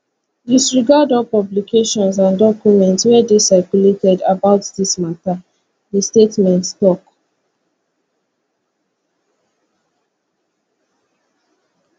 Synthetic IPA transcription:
disɹiɡadɔpɔblikʰeʃɔ̃nsãndɔkjumɛ̃ntswɛdesaɪkuletɛdabaʊtdismata | distetmɛ̃ntstɔk

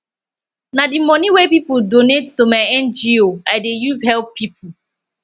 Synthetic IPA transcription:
nadimɔniwepipuldonettomaɪɛ̃nd͡ʒioaɪdejuzhɛlppipʰu

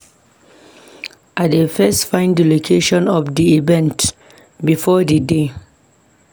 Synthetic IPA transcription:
ʔadəfɛstfãɪ̃ndəlokʰeʃɔ̃nɔfdiivɛ̃nt | bifɔdəde

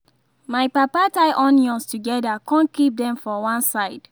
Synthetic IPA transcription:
maɪpapataɪʔɔ̃njɔ̃nstuɡɛdakɔ̃nkip̚dɛ̃mfɔwãnsaɪd̥

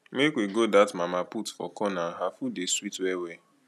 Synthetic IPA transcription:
mekwiɡodatmamaputfɔ̰kɔnaɦafudeswitwɛwe

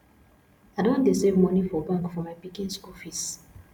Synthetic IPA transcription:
adõndesevmɔnifɔbãŋkfɔmaɪpikĩnsɔfis

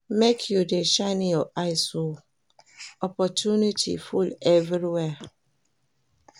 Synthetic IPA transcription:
mekʰjudeʃaɪnijɔʔaɪso | ɔpɔtʰunitʰḭfulɛvɾiwɛ

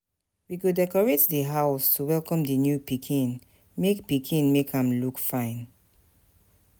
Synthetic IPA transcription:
wiɡudɛkɔɹetdəɦaʊstʰuwɛlˠkɔ̃mdənjupikʰĩn | mekpikʰĩnmekhãmlukfãɪ̃n

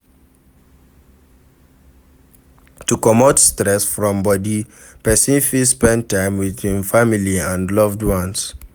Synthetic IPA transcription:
tukɔmotstɹɛsfɹɔ̃mbɔdi | pɛsĩnfilspɛ̃ntːãɪ̃mwiθĩnfamiliãndlɔvdwɔ̃ns

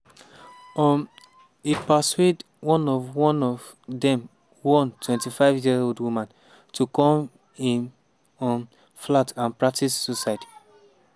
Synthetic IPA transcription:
ɔm | ipaswed | wɔ̃nɔvwɔ̃nɔv | dɛ̃m | wɔ̃ntwɛ̃ntifaɪvjioldwumãn | tʰukɔ̃m | ĩn | ɔm | flatãnpɹak̚tisːosajti̥

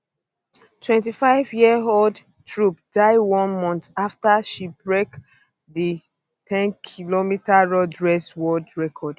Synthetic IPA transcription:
tʰwɛ̃ntifaɪvjiəɦold | tʰɹupdaɪwɔ̃nmɔ̃nθaftaʃibɹek | ði | tʰɛ̃nkʰilomitaɹɔdɹɛswɔdɹɛkʰɔd̥

